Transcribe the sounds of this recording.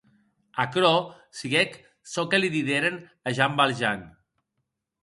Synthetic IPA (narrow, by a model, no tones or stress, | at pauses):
akɾɔ | siɣek | sɔkeliðiðeɾenaʒambalʒan